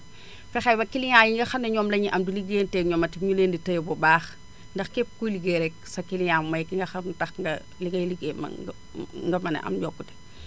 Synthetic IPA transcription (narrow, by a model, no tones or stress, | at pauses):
fɛxɐjbɐkiliɲajiŋɡɐxɐndɛɲɔːmlɐɲiʔɐmdiliɡeːntɛɲɔːmɐtiɲuleːnditɐjbɔbaːx | ndɐxkɛp̚kuliɡeɾɛk̚sɐkiliɲaːmmɐjkiŋɡɐxɐtɐxŋɡɐ | liŋɡɐjliɡeːnmɐ̰ | ŋɡɐmɐnɐ̰ʔɐ̰mɟɔːkːuti̥